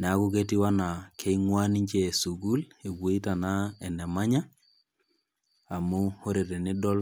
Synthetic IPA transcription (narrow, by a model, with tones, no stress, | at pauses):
ne˨a˦ku˦k̬e˦ti˦wa˦na˨kʰe˦i˦ŋwa˦ni˦ɲt͡ʃesu˨ɡu˦le˨ɡu˦i˦ta˨na˦ɛ˨nɛ˨ma˦ɲa˦ | a˨mu˦ho˦ɾe˨tɛ˨nɪ˦dɔ˦l